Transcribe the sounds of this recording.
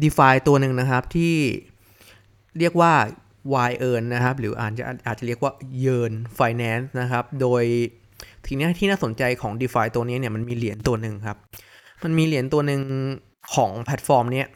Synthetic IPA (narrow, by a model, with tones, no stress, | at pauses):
diː˧faː˧jt̪u˧ɐnɯ˨˩ŋna˦˥kʰa˦˥p̚t̪ʰiː˥˩ | ɾi˥˩ək̚waː˥˩ | waː˧jʔɤː˧nːa˦˥kʰa˦˥p̚ɾɯː˩˦ʔa̰ː˨˩t̪̚t͡ɕa̰˨˩ʔʔaː˨˩t̪̚t͡ɕa˨˩ɾi˥˩əkwaː˥˩jɤː˧nfaː˧jnɛː˦˥nsna˦˥kʰa˦˥p̚doː˧j | t̪ʰɯ˨˩˦ni˦˥˩t̪ʰiː˥˩naː˥˩so˩˦nt͡ɕa˧jkʰɔː˩˦ŋdiː˧faː˧jt̪u˧ɐni˦˥ni˥˩ɐma˧nmiː˧li˩˦ənt̪u˧ɐnɯ˨˩ŋkʰa˦˥p̚ma˧nmiː˧li˨˩˦ənt̪u˧ɐnɯ˨˧ŋ | kʰɔː˩˦ŋpʰɛ˦˥t̪̚fɔː˧mni˦˥ɐ